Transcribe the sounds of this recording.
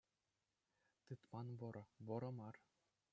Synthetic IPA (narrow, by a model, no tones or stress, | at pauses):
t̪ɯt̪mɑnʋɤ̆ɾɤ̆ʋɤ̆ɾɤ̆mɑr